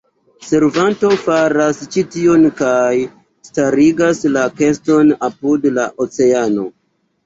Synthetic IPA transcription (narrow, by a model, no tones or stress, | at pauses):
se̞ɾvanto̞faɾast͡ʃitio̞nkaj | staɾiɡaslake̞sto̞napudlaʔot͡se̞ano̞